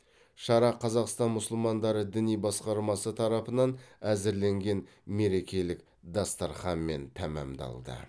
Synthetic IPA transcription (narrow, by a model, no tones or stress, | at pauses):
ʃɑɾɑqʰːɑzɑqst̪ɑnmʊsəlˠmɑnd̪ɑɾəd̪ɪnijbɑsqɑɾmɑsət̪ʰɑɾɑpənɑnæzɪɾle̞ŋɡʲe̞n | me̞ɾe̞kʲe̞lɪk | d̪ɑst̪ɑɾχɑnme̞nt̪ʰæmɑ̰md̪ɑ̰lˠd̪ə̰